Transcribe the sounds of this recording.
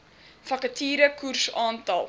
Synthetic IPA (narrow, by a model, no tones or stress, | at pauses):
fɐkətiːɾəkursɑːntɐlˠ